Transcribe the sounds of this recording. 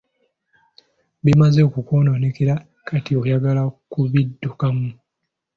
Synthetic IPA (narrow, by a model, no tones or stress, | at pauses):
βimazeokukoːnonekeɾa | kʰatio̞jaɡalakuβidːukamu